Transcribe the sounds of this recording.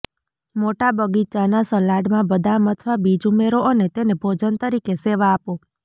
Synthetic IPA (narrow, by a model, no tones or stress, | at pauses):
moʈabəɡit͡ʃanasəlaɖmãbəd̪ʱamət̪ʰʋabid͡ʒumeɾoʔənet̪enebʱod͡ʒənt̪əɾikeseʋaːpo